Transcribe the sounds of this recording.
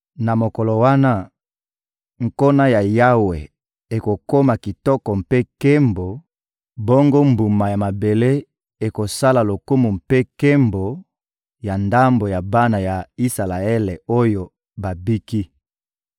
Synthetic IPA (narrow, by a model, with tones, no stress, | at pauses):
na˨mo˨kɔ˨lo˨wa˦na˦ | ŋ̩˨ko˦na˦ja˨ja˦we˨ | e˨ko˨ko˦ma˨ki˨tɔ˦kɔ˨m˨pe˦ke˦mbo˨ | bo˦ŋɡo˦mbu˨ma˨ja˨ma˨be˨le˦ | e˨ko˨sa˦la˨lo˨ku˦mu˨m̩pe˦ke˦mbo˨ | ja˨nda˦mbo˨ja˨ba˦na˨ja˨i˦sa˨la˨e˦le˨o˦jo˨ | ba˨bi˦ki˦